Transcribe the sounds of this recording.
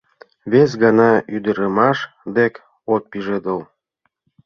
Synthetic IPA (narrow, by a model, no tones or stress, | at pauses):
βes̬ɡɑnɑyd̪əɾə̆mɑʃ | d̪ek | ot̪̚piʒed̪əl